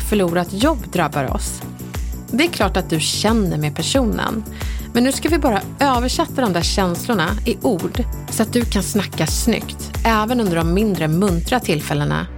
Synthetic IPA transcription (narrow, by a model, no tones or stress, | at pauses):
fœɭuːɾat̪jɔbːd̪ɾabːa̰ɾɔ̰s | d̪ɛːɾkʰlɑːʈat̪̚d̪ɵɕɛnːəɾmeːpʰæʂuːnə̰n | mɛnːʉːskavɪbɑːɾa | øːvəʂɛt̪ːad̪ɔmd̪æɕɛnslʊɳaɪʔuːɖsɔat̪̚d̪ɵkʰansnakːasnʏ̰kt̪ʔɛːvənɵnd̪əɖɔmːɪnd̪ɾəmːɵnt̪ɾat̪ʰɪlːfɛlːəna̰